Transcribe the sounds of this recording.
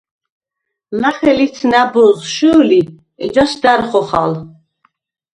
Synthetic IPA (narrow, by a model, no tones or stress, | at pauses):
maχɛlit̪sʰnabɔʁʃuli | ɛd͡ʒɔsd̪aɾχɔχal